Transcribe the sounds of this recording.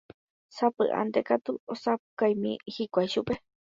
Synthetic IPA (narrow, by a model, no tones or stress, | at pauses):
sapɨ̰ʔa̰nd̪ekat̪uosapkajmḭ̃hikʷajʃupe